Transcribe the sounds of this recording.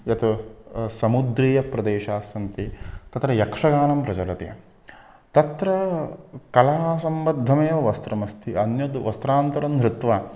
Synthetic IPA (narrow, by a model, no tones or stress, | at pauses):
jɐt̪usɐmud̪ɾiːjɐpɾɐd̪eːʃaːsɐnt̪it̪ɐt̪ɾɐjɐkʂɐɡaːnɐmpɾɐd͡ʒɐlɐt̪ḛɐ̰ | t̪ɐt̪ɾɐ | kɐlaɐsɐmbɐd̪ʱːɐmɐjɐʋɐst̪ɾɐmɐst̪ʰiʔɐnjɐd̪ʋɐst̪ɾaːnt̪ɐɾɐnd̪ɾɪt̪ʋaː